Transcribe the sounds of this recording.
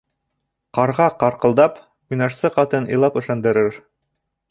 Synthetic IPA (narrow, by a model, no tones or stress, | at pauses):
qɑɾʁɑqɑɾqɤ̆lˠd̪ɑp | ujnɑʃsɤqɑt̪ɤnɤ̰̆jlˠɑpɵ̆ʃɑnd̪ɤ̆ɾɘɾ